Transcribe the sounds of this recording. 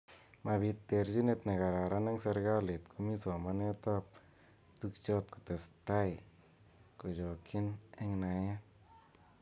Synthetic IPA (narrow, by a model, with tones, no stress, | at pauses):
ma˨bi˧t̪̚ːe˨ɾd͡ʒi˦ne˧t̪̚na˨ɡa˨ɾa˨ɾa˦na˦ŋsɛ˧ɾɡa˦le˨t̪kʰumi˦sɔ˨manɛ˦t̪ɔp̚ | t̪uk̚t͡ʃɔ˦t̪̚ku̥˨t̪e˨st̪a˦j | kɔ˨d͡ʒɔ˨kʰi˦nɛŋna˨ja˦